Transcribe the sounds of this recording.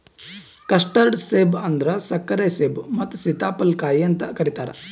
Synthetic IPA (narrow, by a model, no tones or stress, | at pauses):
kɐsʈɐɾɖseːbɐnd̪ɾɐsɐkːɐɾeːseːbmɐt̪ːusit̪aːpɐlkaːjiɐnt̪ɐkɐɾit̪aːɾɐ̰